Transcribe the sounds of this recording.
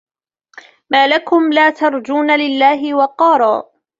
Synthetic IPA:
maːlakʊmlaːt̪ɑɾˤd͡ʒuːnalɪlːaːɦɪwɑqɑːɾˤɑː

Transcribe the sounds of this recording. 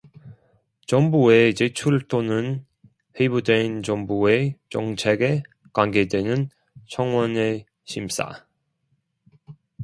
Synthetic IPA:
t͡ɕʌmbue̞t͡ɕet͡ɕʰuɭt͈ʰonɯn | he̞ibudwent͡ɕʌŋbue̞t͡ɕʌŋt͡ɕʰe̞ɡe̞ | kwaŋɡe̞dwe̞nɯn | t͡ɕʰʌŋwʌne̞ | ɕʰims͈a̰

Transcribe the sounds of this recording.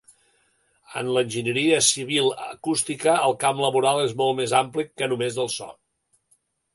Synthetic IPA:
ə̰nlənʲʒinəɾiəsiβ̞ilˠə̰kust̪ikəəlˠkamləβuɾalˠezmɔlˠmezamplikːənumezðəlˠsɔ̰

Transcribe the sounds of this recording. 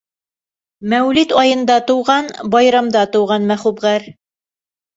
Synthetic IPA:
mæwlit̪ɑjɤ̆nd̪ɑt̪ŏwʁɑnbɑjɾɑmd̪ɑt̪ŏwʁɑnmæχubʁæɾ

